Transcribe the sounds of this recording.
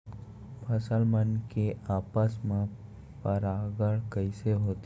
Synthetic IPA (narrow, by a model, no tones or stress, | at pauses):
pʰəsəlmənkeaːpəsmẽ | pəɾaːɡəɽkəɪseɦoːt̪e